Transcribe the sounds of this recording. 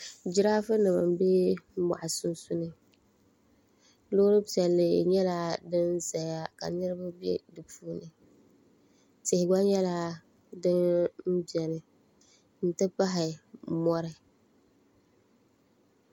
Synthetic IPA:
d͡ʒɪ˨ɾaː˦fɨ˦nɨ˨ma̰˨m̩˦be˦ma̰˨ʔa˨sʊ˦n˦sʊ˦nɨ˨ | lʊ˦ɾɨ˦pi˨ɛ˨lːɪ˨ɲɛ˦la˦dɨ˦n˦za˨a˨ka̰˨nɨ˦ɾɨ˦ba˦bjɛ̰˦dɨ˨puː˦nɨ˨ | tɪ˨hɪ˨ɡ͡ba˦ɲɛ˦la˦ | dɨ˦nm̩˦bɛ˨nɨ˨ | n̩˦tɨ˦pa˦ɦɪ˨mɔ˦ɾɪ˦˨

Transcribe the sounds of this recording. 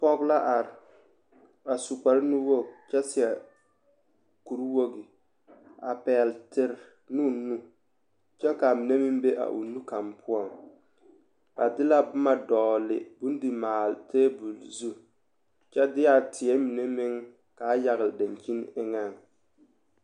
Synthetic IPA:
pɔ˦ɡla˦ʔa˨ɾɪ˨ | ba˨su˨ka˨ɾnu˦wo˦ɡt͡ʃɛ˦sɪ˨ɛ˨ | ku˨ɾwo˦ɡɪ˨ | a˨pɛː˨ltɪ˦ɾ | nu˦nu˦ | t͡ʃɛ˦ka˨mi˨ne˦mɪ˦mbe˦ʔa̰˨ʔṵ˨nu˦ka˨mpʰʊ˦ɔ˨ŋ | ba˨dɪ˦la˦bʊ˦ma˦dɔː˨lɪ̰˨bu˦n˦dɪ˨maː˨ltʰeː˦bu˨lzu˦ | t͡ʃɛ˦dɪ˦ja˦˨tʰɪ˨ɛ˦mi˨ne˦mɪ˦ŋ | ka˨˦ja˨ɣɪ˨lda˨nki˦nɪ˦ŋa˦˨ŋ

